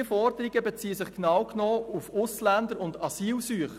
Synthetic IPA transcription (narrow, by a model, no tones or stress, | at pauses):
əfɔrd̥əɾiɡəbet͡siːəsɪχknɑwknɔːufʊslænd̪əɾʊndɑsiːlsyəχ